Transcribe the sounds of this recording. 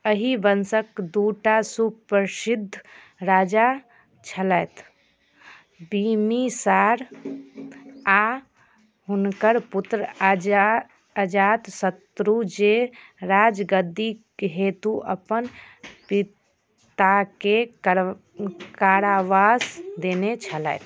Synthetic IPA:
əɦibənsəkd̪uːʈasupəɾsid̪ʱː | ɾaːd͡ʒa | t͡ʃʰələjt̪ | bimisaːɾ | a | ɦʊnkəɾput̪ɾə | əd͡ʒaːt̪sət̪ɾud͡ʒeɾaːd͡ʒɡəd̪i | ɦeːt̪uʔə̰pən | pi | t̪ake | kaːɾaʋasd̪eːnet͡ʃʰələ̰jt̪

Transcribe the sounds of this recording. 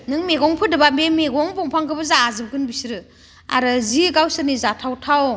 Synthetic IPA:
nɯŋmeɡɔŋpʰɯdɯbamemeɡɔŋbɔŋpʰaŋkʰɯbɯzaːzɯp̚ɡɯnbisɾɯ | a̰ɾɯziɡawsɯɾnizatʰawtʰaw

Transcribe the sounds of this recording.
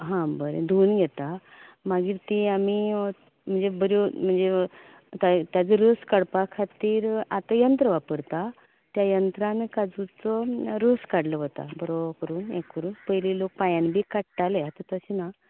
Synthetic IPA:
ɦãbəɾḛd̪ʱuːnɡʱɛt̪a | maɡiːɾt̪iami | m̤əɳd͡zebəɾom̤əɳd͡ze | t̪at̪jat͡səɾoskəɽpakʰat̪iːɾat̪ajənt̪ɾəʋapəɾt̪a | t̪jajənt̪ɾãnekad͡zut͡sɔɾoskaɽləɦot̪a̰bəɾokəɾuːnḛkːəɾuːnpəjlilok̚pajãnibʱiːkaʈʈalat̪ət̪əɕina

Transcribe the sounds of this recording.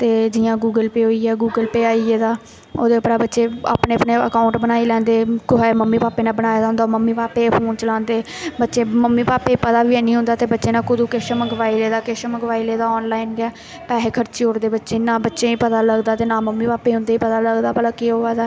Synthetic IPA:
t̪eːd͡ʒɪjãːɡuːɡəlpeːɦoːiːɛːɡuːɡəlpeːaːieːd̪aː | oːd̪eːʊpɾaːbətːʃeːa̰ːpneːəpneːə̰kaːʊɳʈbənaːiːlɛ̃ːnd̪eːkʊɦɛməmːiːpaːpeːnãːbənaːjːd̪aːɦʊnd̪aːməmːiːpaːpeːpʰoːnt͡ʃəlãːnd̪eːbətːʃeːməmːiːpaːpeːpət̪aːʋiːɛːnĩːʊ̃nd̪aːt̪eːbətːʃeːnãːkʊd̪uːkeʃəməɡʋaːileːd̪aːkeʃəməɡʋaːileːd̪aːɔːnlaːiːnɡɛː | pɛːɦeːkʰəɾt͡ʃiːɦoːɾd̪eːbətːʃeːnaːbətːʃẽːiːpət̪aːləɡd̪aːt̪eːnaːməmːiːpaːpeːɦʊ̃nd̪eːiːpət̪aːləɡd̪aːpəlaːkeɦoːaːd̪aː

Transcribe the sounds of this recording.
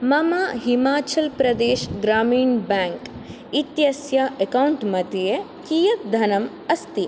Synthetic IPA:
mɐmaːɦimaːt͡ʃɐlpɾɐd̪eːʃɡɾaːmiːɳbaːŋk | it̪jɐsjaʔekɐwɳʈmɐt̪ije | kiːjɐk̪̚d̪ʱɐnɐm | ɐst̪i

